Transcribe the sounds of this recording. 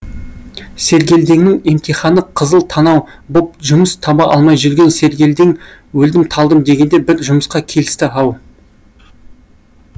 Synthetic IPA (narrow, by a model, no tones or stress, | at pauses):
se̞ɾɡʲe̞ld̪e̞ŋnɪŋe̞mt̪ijχɑnəqʰəzəlˠt̪ʰɑnɑwbop̚ʒʊməst̪ʰɑbɑʔɑlˠmɑjʒʏɾɡʲe̞nse̞ɾɡʲe̞ld̪e̞ŋ | wɵld̪ɪmt̪ʰɑlˠd̪əmd̪e̞ɡʲe̞nd̪e̞bɪɾʒʊməsqɑkʲʰe̞lɪst̪ɪɑw